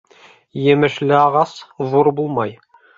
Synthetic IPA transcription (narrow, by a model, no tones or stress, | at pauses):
jɘ̆mɘ̆ʃlɘɑʁɑsvuɾbulˠmɑj